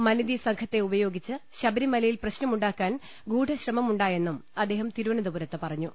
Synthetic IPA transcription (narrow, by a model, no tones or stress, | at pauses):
mɐnid̪isɐŋkʰɐt̪ːe̞ubɐjo̞ːɡit͡ɕːɨɕɐbɐɾimɐlɐjilprɐɕnɐmuɳɖaːkːaːn | ɡuːɖʱɐɕrɐmɐmuɳɖaːje̞nːumɐd̪ːe̞ːɦɐmt̪iɾuʋɐɳɐd̪ɐbuɾɐt̪ːɨpɐrɐɲːu